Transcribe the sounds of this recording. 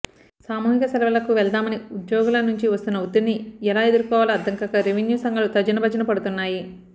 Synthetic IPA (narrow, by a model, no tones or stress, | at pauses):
saːmuːɦikɐsɐlɐʋɐlɐkuʋɛld̪aːmɐniud̪jɔːɡulɐnuɲt͡ʃiʋɐst̪unːɐud̪inːiɛlaːe̞d̪uɾukɔːʋaːlɐɐd̪ːɐŋkɐkɐɾeʋinjuːsɐŋɡɐlut̪ɐd͡ʒɐnɐbʱɐd͡ʒɐnɐpɐɽut̪unːaːji